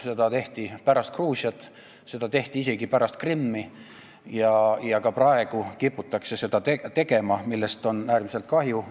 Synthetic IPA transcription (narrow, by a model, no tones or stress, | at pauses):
se̞d̪̥ɑt̪e̞ht̪ipæɾɑst̪kruːsjɑt̪ːˑ | se̞d̪̥ɑt̪e̞ht̪iise̞ɡ̥ipæɾɑst̪̚krimːi | jɑjɑkɑprɑe̞ɡ̥ukipːˑut̪ːˑɑkse̞se̞d̪̥ɑt̪et̪e̞ɡ̥e̞mɑmilːe̞st̪o̞næːrmise̞lt̪̚kɑɦju